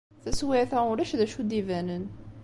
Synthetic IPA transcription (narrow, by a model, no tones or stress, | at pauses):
θæswɪʕθæʊlæʃðæʃud̪ivænən